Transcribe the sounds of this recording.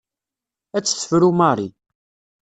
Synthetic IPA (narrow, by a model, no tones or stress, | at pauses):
æt͡sːθə̥fɾumaɾˤi